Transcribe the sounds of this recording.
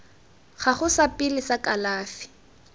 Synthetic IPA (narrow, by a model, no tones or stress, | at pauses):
χaχʊsapʼɪlɪsakʼalaːfɪ̥